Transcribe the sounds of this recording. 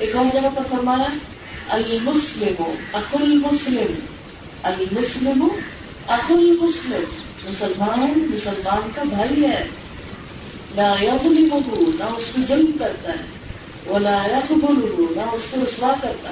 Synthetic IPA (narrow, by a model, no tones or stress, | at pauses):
eːkaːld͡ʒɐɡap̪ɐɾfɐɾmaːja | ɐlmʊslɪmʊʔɐxalmʊslɪm | ɐlmʊslɪmʊ | ɐxalmʊslɪm | mʊsɐlmaːnnmʊsɐlmaːnkabʱaːiɛ | laːjɐðˤlɪmʊɦunɐʊskod͡ʒɐmbkɐɾt̪aɦɛ | wɐlaːjɐxd̪ʊlʊɦunɐʊskoɾʊswaːkɐɾt̪a